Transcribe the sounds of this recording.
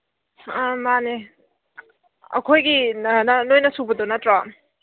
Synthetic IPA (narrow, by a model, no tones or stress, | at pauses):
mane | ɐ̰kʰojɡinanojnɐsubɐdonɐtɾa